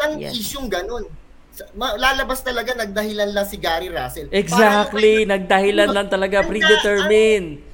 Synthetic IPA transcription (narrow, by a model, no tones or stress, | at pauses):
ɐnʔiːʃoŋɡɐno̞n | sɐmɐlaːlɐbast̪ɐlɐɡanɐɡ̚d̪ɐɦɪlɐnlɐŋsɪɡaːɾiɾaːsɛlʔɛɡsak̚t̪linɐɡ̚d̪ɐhɪlanlɐŋt̪ɐlɐɡapɾid̪ɛt̪ɛɹmɪn